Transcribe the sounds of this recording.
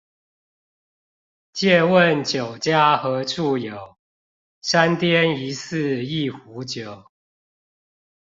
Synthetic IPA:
t͡ɕjɛ˥˨wə˥˨nt͡ɕjo˨˩ʊt͡ɕja˦xɤ˨˦ʈ͡ʂʰu˥˨jo˨˩˦ʊ | sa˦nt̪jɛ˦ni˨˦s̩˥˨i˥˨xu˨˦t͡ɕjo˨˩˦ʊ

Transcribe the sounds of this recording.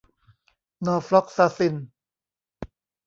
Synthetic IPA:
nɔː˧˩fɾɔ˦˥k̚saː˧si˧˩n

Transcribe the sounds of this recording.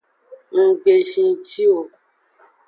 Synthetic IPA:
ŋ̩˧ɡ͡be˨ʃĩ˧t͡ʃi˦wo˨

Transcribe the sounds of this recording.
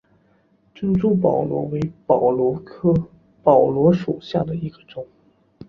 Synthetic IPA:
ʈ͡ʂə˥nʈ͡ʂu˥pɑ˨˩ʊlwɔ̰˧˥we˧˥ɪpɑ˨˩ʊlɔ˧˥kʰɤ˥ | pɑ˨˩ʊlwɔ˧˥ʂo˨˩ʊɕja˥˩d̪ə˩i˧˥ɡ̥ə˧ʈ͡ʂʊ˨˩˦ŋ

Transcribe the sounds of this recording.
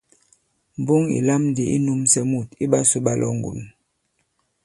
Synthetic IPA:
m˨bu˦ŋḭ˨la˦mn˦di˨˦ʔḭ˦nu˦msɛ˦mu˦˨ti˦ɓa˦su˦ɓa˦lʔɔ̰˦ŋɡṵ˨n

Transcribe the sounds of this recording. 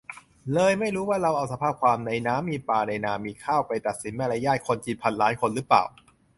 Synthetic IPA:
lɤː˧jma˥˩jɾuː˦˥waː˥˩ɾa˧wʔa˧wsa˧pʰaː˥˩p̚kʰwaː˧mna˧jnaː˦˥mːiː˧paː˧na˧jnaː˧˩miː˧kʰaː˥˩wpa˧jt̪a˨˩t̪̚si˩˦nmaː˧˥˩la˧˩jaː˥˩t̪̚kʰo˧nt͡ɕi˨˩t̪̚pʰa˧nlaː˦˥nkʰo˧nɾɯː˦˥pla̰ː˨˩w

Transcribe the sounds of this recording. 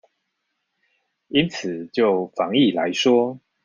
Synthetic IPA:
i˦nt͡s̩ʰ˨˩t͡ɕjo˥˨˩ʊfɑ˧˦ŋi˥˨la˧˦ɪʂwɔ˥

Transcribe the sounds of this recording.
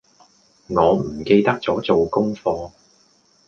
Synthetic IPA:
ŋɔː˨˧m̩˨˩ke˧jt̪ɐ˥k̚t͡sɔː˨˥t͡so˨wkʊ˥ŋfɔː˧

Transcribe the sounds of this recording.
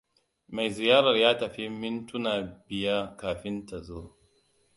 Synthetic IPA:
ma˨jzɪ˨jaː˦ɾɐ˨rjaː˦tɐ˨ɸi˦mɪ˦ntʊ˦naː˨bɪ˨ja˦kaː˨ɸɪ˦nta˨zoː˦

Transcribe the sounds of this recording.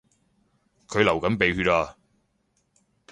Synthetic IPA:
kʰɵ˨˧ɥlɐ˨˩wkɐ˨˥npe˨˧jhyː˧t̚aː˧

